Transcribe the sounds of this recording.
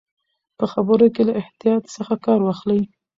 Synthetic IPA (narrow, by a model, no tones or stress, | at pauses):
pəxabəɾokelaʔɪht̪ijɑt̪səxakɑɾwɑxləj